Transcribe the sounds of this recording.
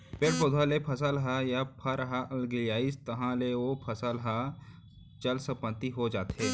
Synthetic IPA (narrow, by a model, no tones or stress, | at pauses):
peːʈpoːd̪ʱalepʰɐsəlɦajapʰɐɾɦaʔɐlɡɪljaːist̪ɐɦãleopʰɐsəlɦa | t͡ʃɐlsəpə̃nt̪iɦod͡ʒaːt̪ɦeː